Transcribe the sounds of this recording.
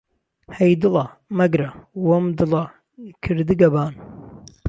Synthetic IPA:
hɐjd̪ɨlɑ | mɐɡɾɐwɐmd̪ɨlɑ | kʰɨɾd̪ɨɡɐbaːn

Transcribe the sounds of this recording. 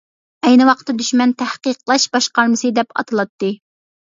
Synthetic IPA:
ɛjnɨwɑqʰt̪ːɨd̪yʃmɛnt̪ʰæhqəqlˠɑʃbɑʃqɑɾmɨsɨd̪ɛpʰɑ̰t̪ʰɨlˠɑt̪ːɨ

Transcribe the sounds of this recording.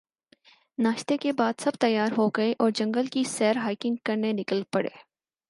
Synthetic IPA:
naːʃt̪ekebaːd̪sɐbt̪ɐjːaːɾɦoɡɐeʔɔːɾd͡ʒɐ̃ŋɡəlkisɛːɾɦaːɪkɪ̃ŋɡkɐɾnenɪkəlpɐɽḛː

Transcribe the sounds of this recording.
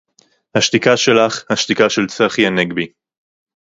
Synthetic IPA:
haʃtikaʃe̞laχhaʃt̪ikaʃe̞lt͡seχjaneɡbi

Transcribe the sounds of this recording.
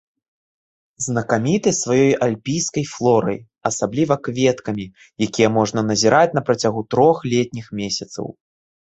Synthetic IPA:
znɐkamʲit̪ɨsvajɔjalʲpʲijskɐjflˠɔɾɐ̰j | ɐsablʲivɐkvʲɛt̪kɐmʲi | jakʲijɛmɔʐnɐnɐzʲiɾʔat͡sʲnɐpɾɐt͡sʲaɣut̪ɾɔxlʲɛt̪̚ʲnʲixmʲesʲɐt̪sɐ̰w

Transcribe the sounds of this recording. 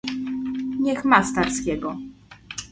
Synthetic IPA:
ɲɛxmast̪aɾskʲɛɡɔ

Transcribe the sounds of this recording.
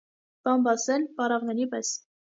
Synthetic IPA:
pɑmbɑsɛlpɑɾɑʁnɛɾipɛs

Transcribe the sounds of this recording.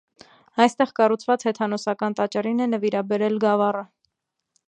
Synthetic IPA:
ɑjst̪ɛʁkɑrut͡sʰvɑt͡shɛt̪ʰɑnɔsɑkɑnt̪ɑt͡ʃɑrinɛnəviɾɑbɛɾɛlɡɑvɑrə

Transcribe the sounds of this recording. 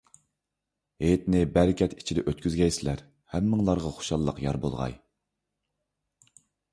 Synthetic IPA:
ɦet̪nɪbæɾɪkʲɛt̪i̥t͡ʃʰid̪ɛʔøt̪kʲyzɡʲɛjsɪlæɾ | hæmːɨŋlˠɑɾʁɑχo̥ʃɑlˠːəqjɑ̰ɾbolˠʁɑ̰j

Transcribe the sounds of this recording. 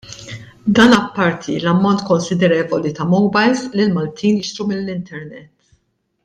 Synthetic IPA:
d̪ɐːnɐpːɐɾt̪ʰḭlɐmːɔnt̪kɔnsɪd̪ɛɾɛːvɔlit̪ɐmɔwbɐjzlɪlmɐlt̪ʰiːnjɪʃt̪ɾumɪlːɪnt̪ʰɛɾnɛt̪ː

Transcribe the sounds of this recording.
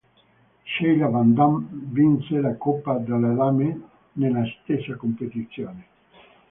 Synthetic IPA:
ʃejlavand̪amvinselakopːad̪alalame | nelast̪esːakompet̪it̪sjoːne

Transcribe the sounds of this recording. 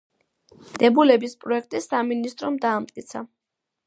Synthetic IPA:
d̪̥ɛbulɛbispʼɾɔɛk̚ʰt̪ʼisaminist̪ʼɾɔmd̪aːmt̪̚ʼkʼit̪sʰa

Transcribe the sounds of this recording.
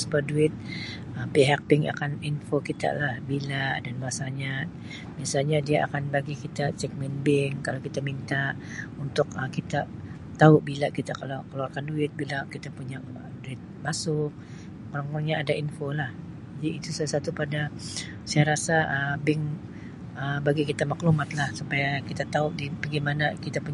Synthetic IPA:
səbaduɪt̪̚ | əpiɦak̚bɪŋa̰kaninfokit̪a̰ʔlahbilaʔdanmasaɲa | biasalɲadiaʔa̰kanbaɡikit̪at͡ʃɛk̚mɛnbɪŋkalawkit̪amint̪aʔunt̪ʊkəkit̪a | t̪aʊʔbilakit̪akalawkalaakanduɪt̪̚bilakit̪apuɲa | əduɪt̪̚masʊk̚ | mɾaŋuɲaːdaʔinfolah | d͡ʒadiːt̪usalasat̪upada | saaɾasaəbɪŋ | əbaɡikit̪amaklumat̪lahsupajakit̪at̪aʊʔdibaɡimanakit̪apuɲ

